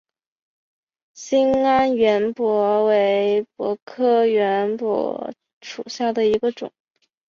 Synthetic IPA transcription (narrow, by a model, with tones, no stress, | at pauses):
ɕi˥ŋa˥nɥɛ˧˥npwɔ˧˥we˧˥ɪpwɔ̰˧˥kʰɤ˥ɥɛ˧˥npwɔ̰˧˥ | ʂṵ˨˩ɕja˥˩d̪ə˩i˧˥ɡə˧ʈ͡ʂʊ̰˨˩˦ŋ